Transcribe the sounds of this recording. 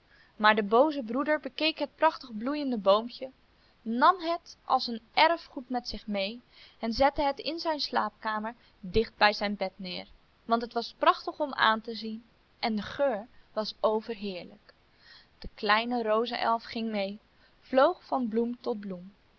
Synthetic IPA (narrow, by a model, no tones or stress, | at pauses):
maːɹdəbowzəbrudəɹbəkejkɦət̚prɑχtəχblujəndəbowmcə | nɑmɦətʔɑ̰lˠsənʔɛɹfχutmɛtsɪχmej | ɛnzɛtəɦətɪnzɛjnslaːp̚kaːməɹ | dɪχd̚bɛjzɛjnbɛtnɪːɹ | ʋɑntɦətʋɑsprɑχtəχɔma̰ːntəzin | ʔɛndəχøːɹʋɑsowvəɹɦɪːɹlək | d̥əklɛjnərowzə̰ʔɛ̰lˠfχɪŋmej | v̥lowχfɑnblumtɔt̚blum